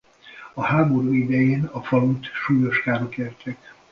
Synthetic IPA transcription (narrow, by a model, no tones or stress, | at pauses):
ɒhaːbo̞ɾuːid̪ɛjeːnɒfɒlut̪ʃuːjo̞ʃkaːɾokeːrt̪ʰɛk